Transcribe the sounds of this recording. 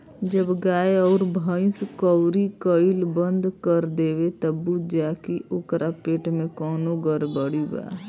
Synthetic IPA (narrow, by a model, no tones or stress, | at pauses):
d͡ʒəbɡaːeɔːɾbʱəɪ̃skɔwɾikəɪlbə̃nd̪kəɾd̪eːwet̪əbːud͡ʒaːkiʔʊkɾʔapeːʈmẽkɔːnoɡəɾbəɽiba̰ː